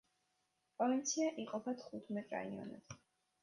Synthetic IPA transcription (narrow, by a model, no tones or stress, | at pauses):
pʼɔvint̪sʰiaʔiqʼɔpʰat̪ʰχut̪ʰmɛt̪ʼɾa̰iɔ̰nɛ̰b